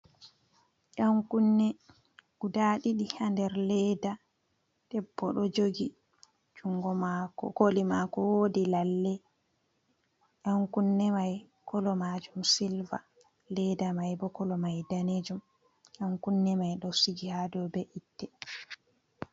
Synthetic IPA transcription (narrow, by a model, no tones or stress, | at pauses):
jaŋkunːɛ | ɡudaɗiɗihandɛɾlɛda | d̥ɛbːɔɗɔd͡ʒoɡi | d͡ʒuŋɡɔmakɔ̰kolimakɔwoːdilalːɛ | ʔaŋkunːɛmaj | kʰɔlɔmad͡ʒumsilva̰ | lɛdamajbɔkɔlɔmajdaned͡ʒum | jaŋkunːɛmajɗɔsiɡihadɔbɛʔitːɛ